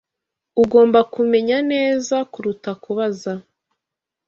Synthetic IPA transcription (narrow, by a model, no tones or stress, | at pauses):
uɡo̞ːmbakume̞ɲane̞ːzakuɾutakuβaza